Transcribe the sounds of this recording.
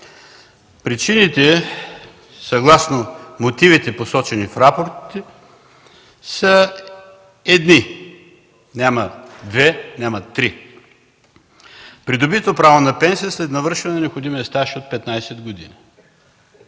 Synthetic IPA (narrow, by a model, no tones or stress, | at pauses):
pɾit͡ʃinit̪ɛ | sɐɡlˠasnomot̪ivit̪ɛposɔt͡ʃɛnifɾapoɾt̪t̪ | sə | ɛd̪ni | nʲamɐd̪vɛnʲamɐt̪ːɾi | pɾid̪obit̪vopɾavonɐpɛnsijəslɛt̪nɐvɤɾʃɐnɛnɐnɛopxod̪imiɐst̪aʃiot̪̚pɛt̪najsɛd̪ɡod̪ḭni